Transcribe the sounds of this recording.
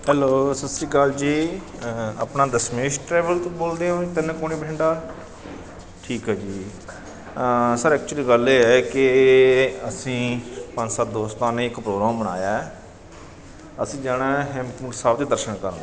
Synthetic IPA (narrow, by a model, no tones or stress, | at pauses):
ɦɛːloːsəsiːkaːld͡ʒiː | ə̰pnaːd̪əsmeːʃʈɾɛːʋəlt̪oboːld̪eːõːt̪ɪñːkoːniːbɪ̃ɳɖaː | ʈʰiːkɦɛːd͡ʒiː | səɾɛːk̚t͡ʃuəliːɡəleːɛːkɪ | əsĩːpə̃nd͡ʒsaːt̪̚d̪oːst̪aːnẽːɪkpɾoːɡɾaːmbəɽ̃a̰ːjaː | əsĩːd͡ʒaːɽaːɦɛːmkusaːbd̪iːd̪əɾʃənkəɾnː